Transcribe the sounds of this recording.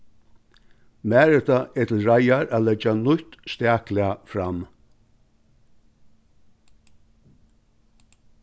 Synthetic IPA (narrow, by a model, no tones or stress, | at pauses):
mæːɾət̪aʔɛt̪ʰɪlɹajaɹʔæːlɛd͡ʒanʊt̪st̪æːklɪafɾam